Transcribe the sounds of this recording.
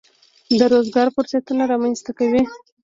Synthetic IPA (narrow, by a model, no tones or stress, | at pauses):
d̪əɾozɡɑɾfʊɾsat̪unaɾɑmanst̪akawi